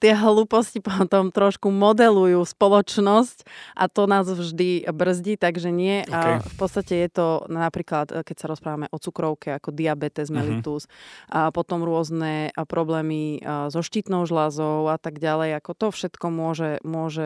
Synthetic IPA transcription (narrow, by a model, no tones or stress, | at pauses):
t̪ɪɛɦluːpɔscipɔt̪ɔmt̪ɾɔʃkumɔd̪ɛlujuːspɔlɔt͡ʃnɔscʔat̪ɔnaːzvʒd̪ibr̩zɟiːt̪aɡʒɛɲɪɛfpɔt̪t͡st̪acɛjɛt̪ɔnapɾiːklat̪kɛcsaɾɔspɾaːʋamɛʔɔt͡sukɾɔʊkɛakɔd̪iabɛt̪ɛzmɛlit̪uspɔt̪ɔmɾʊɔznɛpɾɔblɛːmizɔʃciːt̪nɔʊʒlazɔʊat̪aɡɟalɛjakɔt̪ɔfʃɛt̪kɔmʊɔʒɛmʊɔʒɛ